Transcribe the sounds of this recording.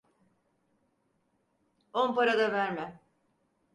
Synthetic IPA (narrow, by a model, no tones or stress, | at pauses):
onpaɾad̪avæɾmɛ